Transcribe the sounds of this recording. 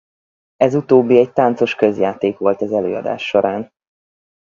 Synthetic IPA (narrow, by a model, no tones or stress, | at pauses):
ɛzut̪oːbːiɛɟt̪ant̪so̞ʃkø̞zjaːt̪eːkʋo̞lt̪ɛzɛløːɒ̰d̪a̰ːʃːo̞ɾʔaːn